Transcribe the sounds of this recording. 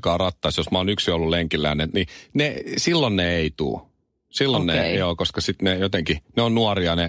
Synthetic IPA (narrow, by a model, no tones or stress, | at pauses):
kɑːrɑt̪ːɑisjosmɑoːnyksiolːuleŋkilːæ̰ːnent̪ninesilːonneeit̪ṵː | silːonnejoːkoskɑsit̪nejot̪eŋkineonnuɑriɑne